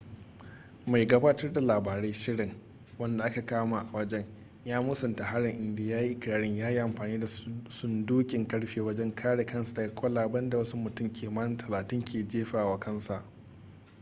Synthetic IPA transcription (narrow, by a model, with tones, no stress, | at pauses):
ma˨jɡa˦baː˦tɐ˦rda˨laː˨baː˨ɾe˦ʃɪ˦ɽɪ˨ŋ | wɐ˦nda˨ʔa˦ka˨kaː˦ma˨ʔa˨wɐ˦d͡ʒɛ˦ɲ | jaː˦mʊ˦sɐ˨nta˨ha˦ɽɪ˨ŋʔɪ˨ndeː˨jaː˦ji˦ʔɪ˦kʲɪ˨ɾaː˨ɽɪ˦ɲjaː˦ji˦ʔa˨mɸaː˨niː˦da˨sʊ˦nduː˦kʲʼɪ˨ŋkɐ˦ɽɸeː˦wɐ˦d͡ʒɛ˦ŋkʰaː˦ɽe˨kɐ˦nsa˨da˨ɡa˦kʷʼɔ˦laː˨bɐ˦nda˨wɐ˦su˦mːʊ˨tʊ˦˨mkʲʰeː˨ma˦tʰɐ˨laː˨tɪ˦ŋkʲʰeː˨d͡ʒeː˦ɸaː˨waː˦kʰɐ˦nsa˨ʔ